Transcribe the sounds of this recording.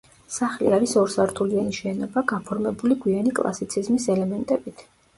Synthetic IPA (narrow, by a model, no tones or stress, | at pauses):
saχlḭaɾisɔɾsaɾt̪ʰulianiʃɛːnɔbaɡapʰɔɾmɛbuliɡwianikʼlˠa̰sit̪sʰizmisɛlɛmɛnt̪ʼɛbit̪ʰ